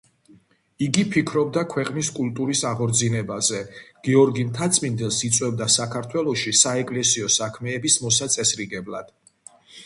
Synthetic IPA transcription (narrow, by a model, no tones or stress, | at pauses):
iɡipʰikʰɾɔb̚d̪akʰwɛqʼniskʼulˠt̪ʼuɾisaʁɔɾd̪zinɛbazɛɡ̥ɛɔɾɡimt̪ʰat̪sʼmind̪ɛlˠsit̪sʼwɛbd̪asakʰaɾt̪ʰwɛlˠɔʃisaɛkʼlɛsiɔsakʰmɛːbismɔsat̪sʼɛsɾiɡɛblˠa̰d̪̥